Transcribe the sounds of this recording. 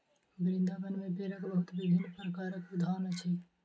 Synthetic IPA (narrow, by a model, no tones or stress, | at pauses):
bɾɪ̃nd̪aːbənmẽbeɾəkbəɦʊt̪bɪbʱinːpɾəkaːɾəkʊd̪ʱaːnət͡ʃʰi